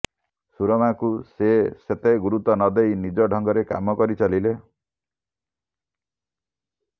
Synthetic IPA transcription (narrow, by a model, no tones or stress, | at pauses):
suɾɔmakuseset̪eɡuɾut̪ɔnɔd̪ejnid͡ʒɔɖʱɔŋɡɔɾeka̰mɔkɔɾit͡ʃɔlile